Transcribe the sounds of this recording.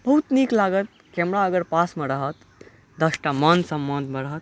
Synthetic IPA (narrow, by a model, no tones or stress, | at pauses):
b̥ɐɦut̪niklaɡət̪̚kɛmɾaəɡəɾpasmeɾəɦət̪ | d̪əsʈamənd̪sə̃mbə̃nd̪meɾəɦət̪̚